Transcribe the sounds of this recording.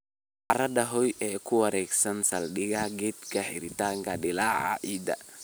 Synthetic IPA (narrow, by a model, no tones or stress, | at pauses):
ʔɐɾɐd̪ɐɦɔjʔɛːkʰʊwɐɾɛːɡsɐnsɐlɗɪɣaɡɛd̪kʰɐħɪɾɪt̪aːŋkɐɗɪlaːʕa̰ʔid̪ɐ̰